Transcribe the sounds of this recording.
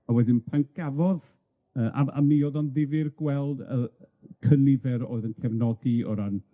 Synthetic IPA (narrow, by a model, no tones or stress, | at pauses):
awɛdɪnpʰaŋk̚ɡ̥avɔð | əːʔa̰ʔa̰mːiɔðanðɪvɪrɡ̥wɛlˠdə | kʰənɪvɛɾo̰ːɨðənkʰɛvnɔdiɔ̰ɾan